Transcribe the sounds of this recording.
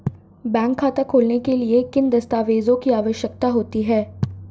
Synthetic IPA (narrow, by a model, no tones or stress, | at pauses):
bɛ̃ːŋkʰːaːt̪ekʰoːlnekeliekɪnd̪ɐst̪aːʋeːzõkiaːʋəʃjək̚t̪aɦoːt̪iɦɛː